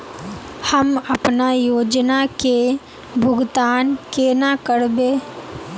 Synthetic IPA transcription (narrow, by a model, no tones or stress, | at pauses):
həmɐpnajoːd͡ʒnake | bʱʊɡt̪aːnkenakəɾbeː